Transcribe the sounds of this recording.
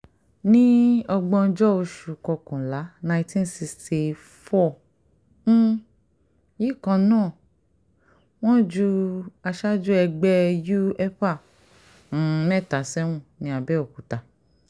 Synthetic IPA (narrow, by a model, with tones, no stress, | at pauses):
nĩ˦ɔ˧ɡ͡bɔ̃˧d͡ʒɔ˦o˧ʃu˨kɔ˧kɔ̃˨la˨˦nã˧ĩ˧tĩ˦n˦si˧sti˧ | fɔ˦˨ | n̩˦ | ji˦˨kã˧nãː˦˨ | w̃ɔ̃˦d͡ʒu˧a˧ʃa˦d͡ʒu˦ɛ˧ɡ͡bɛ˦ju˦ɛ˦pã˦˨˦ | nɛ˦˨ta˨˦sɛ˦w̃ũ˦˨nĩ˧˦a˧bɛ˦o˨ku˨ta˨